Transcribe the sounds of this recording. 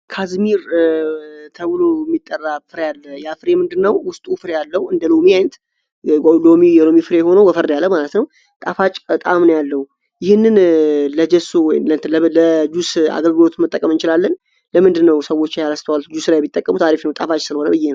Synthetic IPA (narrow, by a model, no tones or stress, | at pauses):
kʰazmiɾ | t̪ʰəβɨlojɛmːit̪ʼːərːafɨɾejalːəjafɨɾemɨnd̪ɨnːəwwʊst̪ʼufɨɾejalːəwɨnd̪əlomiajnt̪ | lomijɛlo̞mifɨɾejɛho̞nəwbəfəɾd̪jalːəmalət̪nəw | t̪ʼafat͡ʃʼbət̪ʼamnəwjalːəh | jɪhɨnːɨnləd͡ʒɛsowɔjnlənt̪lləd͡ʒusa̰ɡəlɡɨlo̞t̪ɨmɨt̪ʼːəkʼəmɨnt͡ʃɪlalːən | ləmɨnd̪ɨnːəwsəwːo̞t͡ʃːjaləst̪ʰəwald͡ʒuslajɛmːit̪ʼːəkʼːəmut̪ʰaɾifnəwt̪ʼafat͡ʃʼsɨlho̞nəbɨjːenəw